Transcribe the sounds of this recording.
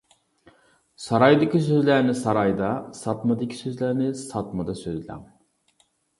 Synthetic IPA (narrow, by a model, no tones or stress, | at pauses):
sɑɾɑjd̪ɨkʲʰisøzlæɾnɪsɑɾɑjd̪ɑsɑt̪mɑd̪ɨkʲʰi̥søzlæɾnɪsɑt̪mɑd̪ɑsøzlæ̰ŋ